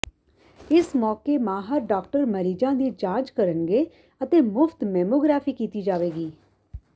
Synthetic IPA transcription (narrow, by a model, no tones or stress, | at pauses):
ɪsmɔːkeːmãːɦəɾɖaːk̚ʈəɾməɾiːd͡ʒãːd̪iːd͡ʒãːt͡ʃkəɾənɡeː | ət̪eːmʊfʰt̪mɛːmoːɡɾaːfʰiːkiːt̪iːd͡ʒaːʋeːɡiː